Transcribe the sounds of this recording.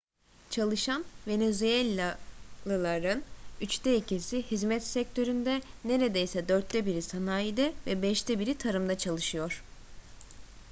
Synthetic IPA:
t͡ʃʰalˠɯʃanve̞nezyelʲalˠɯlˠaɾɯnyt͡ʃt̪ʰɛicʰisihizmɛt̪sɛc̚t̪ʰø̞ɾynd̪ɛne̞ɾed̪ejsɛd̪øɾt̪ʰːɛbiɾisanaːjid̪ɛvɛbɛʃt̪ʰɛbiɾit̪ʰaɾɯmd̪at͡ʃʰalˠɯʃɯjo̞ɾ̥

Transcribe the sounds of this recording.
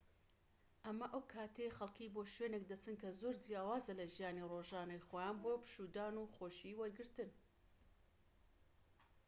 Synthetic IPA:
ʔɐmɐʔɐwkʰaːt̪ʰejexɐlˠkiboːʃweːnek̚d̪ɐt͡sɨnkʰɐzoɾd͡zjaːwaːzɐlɐʒijaːniroʒaːnɐjxojaːnboːpɨ̥ʃuːd̪aːnuːxoːʃiwɐɾɡɨɾt̪ɨn

